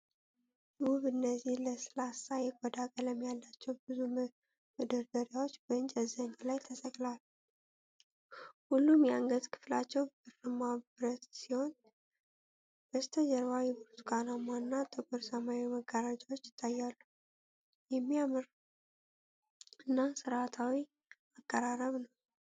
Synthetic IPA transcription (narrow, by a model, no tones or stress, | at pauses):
wuβɨnːəzːihləsɨlasajɛkʼɔd̪akʼələmjalːat͡ʃːɛwbɨzu | mɨd̪əɾɡ̪əɾijawot͡ʃːbəɨnt͡ʃʼəzəɲːalajt̪ʰəsʼəkʼlalu | hulːumjɛaŋɡət̪kʰɨ̥flat͡ʃːɛwbɨɾɨmabɾət̪siho̞n | b̥əst̪ʰəd͡ʒəɾβajɛbuɾut̪kʼanamːanːat̪ʼɨkʼuɾsəmaiməɡaɾad͡ʒʼawo̞t͡ʃːɪt̪ʼajːalːu | jɛmːiamɨɾ | ɨnːasɨɾat̪ʰawi | akʼːəɾaɾəβnəw